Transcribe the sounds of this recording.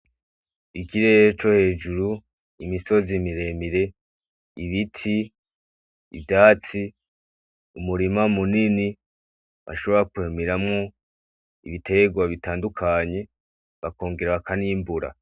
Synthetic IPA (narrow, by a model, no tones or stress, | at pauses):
ikiɾet͡ʃo̞he̞ːd͡ʒuɾu | imiso̞zimiɾe̞miɾe̞ | iβitʰi | vdaːt͡si | umuɾimamunini | βa̰ʃo̞βo̞ɾakuemiɾamŋo̞ | iβitʰe̞ɡwaβitaːndukʰaɲe̞ | βako̞ːŋɡe̞ɾaβakʰaniːmbuɾa̰